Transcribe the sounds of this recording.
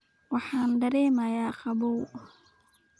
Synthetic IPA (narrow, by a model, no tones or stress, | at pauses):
wɑħaːnɖɐɾɛːmajaːqɑbow